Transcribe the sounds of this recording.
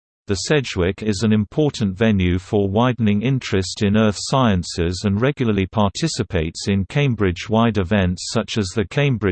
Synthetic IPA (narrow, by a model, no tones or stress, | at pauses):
ðəsɛd͡ʒwɪkɪzə̃nɪ̃mpʰɔˑʔn̩tvɛnjʉfə˞waɪdⁿn̩ɪ̃ŋɪ̃nt͡ʃɹ̥ɨstɪ̃nɜˑθsaɪə̃nsɪzə̃nɹɛɡjl̩ˠəlipʰɑˑtʰɪsɪpʰeɪtsɪ̃nkʰẽɪ̃mbɹɪd͡ʒwaɪdɪvɛ̃ntsʌt͡ʃəzðəkʰẽɪ̃mbɹɪ